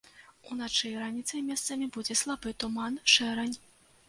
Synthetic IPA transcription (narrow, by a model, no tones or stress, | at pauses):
unat͡ʂɨjɾanʲit̪sɐjmʲɛst̪sɐmʲibud͡zʲɛslˠabɨt̪umanʂɛɾɐnʲ